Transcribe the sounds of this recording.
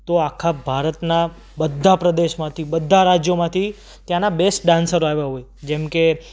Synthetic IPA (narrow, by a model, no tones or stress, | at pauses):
t̪oakʰabʱaɾət̪na | bəd̪ʱːapɾəd̪eʃmãt̪ʰibəd̪ʱːaɾad͡ʒjomãt̪ʰi | t̪jãnabesʈ̚ɖãnsəɾoaʋjaɦoj | d͡ʒɛmke